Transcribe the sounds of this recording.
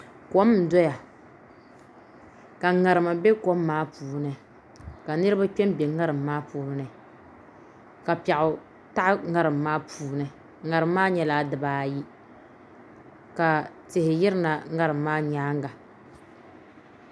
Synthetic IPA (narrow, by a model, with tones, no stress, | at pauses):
ko˦m̩˨dɔ˦ja˨ | ka˨ŋa˨ɾɨ˨ma˨be˦ko˦mːaː˦puː˨nɨ˨ | ka˨nɨ˦ɾɨ˦ba˦k͡pɛ˦m˦bɛ˨ŋa˦ɾɨ˨mː˦aː˦puː˨˦ɾɨ˦nɨ˨ | ka˨pɛ˨ʔʊ˨ | ta˦ʔŋa˦ɾɨ˨mːaː˦pʰuː˨nɨ˨ | ŋa˨ɾɨ˨mː˦aː˦ɲɛ˦laː˦dɨ˨baː˦˨ji˦ | ka˨ | tɪ˨hɪ˨jɪ˦ɾɨ˦na˨ŋa˦ɾɨ˨mːaː˦ɲaː˦ŋɡa˨